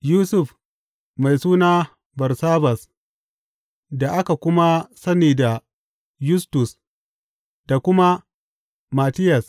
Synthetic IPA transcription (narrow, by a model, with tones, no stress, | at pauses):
juː˦sʊ˨f | ma˨jsuː˦naː˦ | bɐ˨rsaː˦bɐ˨s | da˨ʔa˦ka˨kʷʊ˦ma˦sɐ˦niː˨da˨ | jʊ˦stʊ˨s | d̥a˨kʷʊ˦ma˦ | ma˨tɪ˦jɐ˨s